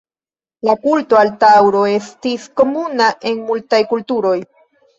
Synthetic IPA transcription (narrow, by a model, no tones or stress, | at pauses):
lakulto̞altawɾo̞e̞stisko̞munaʔe̞nmultajkultuɾo̞j